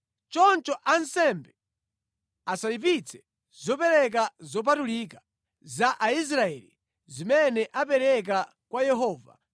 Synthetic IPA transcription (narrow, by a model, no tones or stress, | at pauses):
t͡ʃɔnt͡ʃɔʔansɛmbɛ | asajip̬it͡sʰɛ̥ | z̥ɔpɛɾɛk̬azɔp̬atulika | zaʔais̬ɾaɛli | zimɛnɛʔap̬ɛɾɛk̬a | kwajɛɦɔːva̰